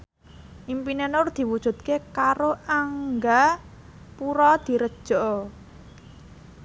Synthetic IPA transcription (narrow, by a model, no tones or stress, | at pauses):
ʔimpinenʊrd̪̥i̤wud̥ʒ̥ṳt̪̚kekaɾoaŋɡa | puɾɔd̪̥i̤ɾəd̥ʒ̥ɔʔ